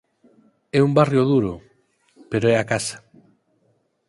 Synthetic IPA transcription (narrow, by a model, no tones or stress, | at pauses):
ɛumbarjoðuɾo | peɾoɛakasḁ